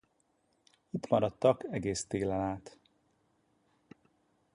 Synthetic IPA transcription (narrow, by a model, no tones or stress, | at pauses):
it̪mɒɾɒt̪ːɒkɛɡeːst̪eːlɛlaːt̪